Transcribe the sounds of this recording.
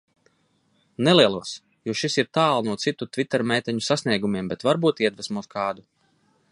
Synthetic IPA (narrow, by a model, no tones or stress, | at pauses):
neliɛlˠuɔs | juʃisiɾt̪aːlˠnuɔt̪sit̪ut̪vʲit̪ːɛɾmʲeːt̪ɛɲusasniɛɡumʲiɛmbɛt̪vaɾbuːt̪iɛd̪vɛsmuɔskʰɑːd̪u